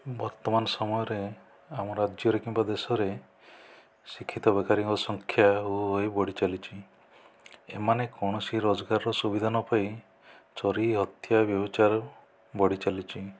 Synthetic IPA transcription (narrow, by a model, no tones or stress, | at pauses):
bɔɾt̪ɔmanɔsɔmɔjɔɾe | amɔɾad͡ʒjɔɾekimbad̪esɔɾe | sikʰːit̪ɔbekaɾiŋkɔsɔŋkʰjaɦuɦojbɔɽit͡ʃalit͡ʃʰi | ḛmanekɔɽ̃ɔsiɾod͡ʒɔɡaɾɔɾɔsubid̪ʱanɔpaj | t͡ʃɔɾiɦɔt̪jabjɔbɔt͡ʃaɾɔ | bɔɽit͡ʃalit͡ʃʰi